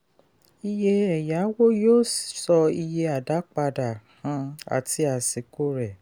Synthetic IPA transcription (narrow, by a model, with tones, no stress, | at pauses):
i˧je˧ɛ˨ja˨˦wo˦joː˦˨sɔ˧i˧je˧a˨da˨˦k͡pa˧da˨hã˨˧˦a̰˨ti˨˧˦a˨si˨ko˦ɾɛ˦˨